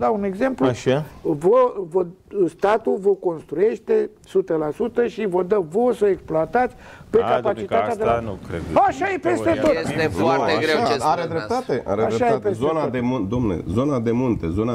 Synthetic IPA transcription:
d̪aune̞ɡze̞mpluvəvə | st̪at̪uvəko̞nst̪ɾue̞ʃt̪e̞ | sut̪əlasut̪əʃivəd̪əvosəeksploat̪at̪sʲpe̞kapat͡ʃit̪at̪ead̪elaḛaʃajepe̞st̪e̞t̪o̞t̪efwat̪eɾeaɾed̪ɾep̚t̪at̪eʔa̰ɾeaɾʃajepeszonad̪emund̪omnḛzo̞nad̪e̞munt̪e̞zona

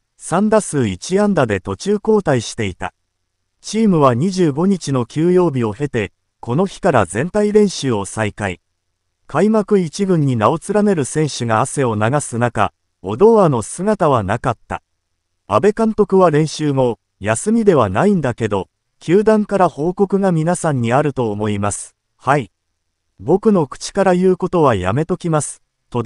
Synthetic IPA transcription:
sãnd̪asɨːit͡ɕiãnd̪ad̪e̞t̪o̞t͡ɕɨːko̞ːt̪aiɕi̥t̪e̞it̪a̰ | t͡ɕiːmɯ̟β̞aɲ̟iʑɨːɡo̞ɲ̟it͡ɕino̞kʲɨːjo̞ːbʲio̞he̞t̪e̞ | ko̞no̞çi̥kaɾa̰zẽ̞nt̪aiɾẽ̞ɰ̃ɕɨːo̞saikai | kʰaimakɯ̟it͡ɕiɡɯ̟̃ɲ̟ːinao̞t͡sɨɾane̞ɾɯ̟sẽ̞ɰ̃ɕɨɡaːse̞o̞naɡasɨnaka̰ | o̞̰d̪o̞ano̞sɨɡat̪aβanakat̪ːa̰ | a̰be̞kãnt̪o̞kɯ̟βaɾẽ̞ɰ̃ɕɨːmo̞ | jasɨmʲid̪e̞β̞anaĩnd̪ake̞d̪o̞ | kʲɨːd̪ãŋkaɾaho̞ːko̞kɯ̟ɡamʲinasãɲ̟ːiaɾɯ̟t̪o̞ːmo̞imasɨ̥ | hai | bo̞kɯ̟no̞kɯ̟̥t͡ɕi̥kaɾajɯ̟ːko̞t̪o̞β̞aja̰me̞t̪o̞kʲimasɨ̥ | t̪o

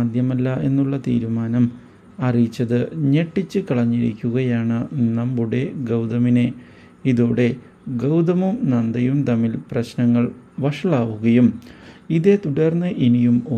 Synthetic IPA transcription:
d̪ʱjɐmɐlːɐe̞nːuɭːɐt̪ḭːɾumaːnɐm | ɐrijit͡ɕːɐðɨɲe̞ʈːit͡ɕːɨkɐɭɐɲːiɾḭkʲːuɣɐjaːɳɨnɐmbuɽe̞ɡɐwd̪ɐmine | iðoːɽe̞ | ɡɐwd̪ɐmumnɐnd̪ɐjumt̪ɐmːilprɐɕnɐŋːɐɭʋɐʂɐɭaːʋuɣɐjumiðe̞t̪uɽɐrnːɨʔinijumo

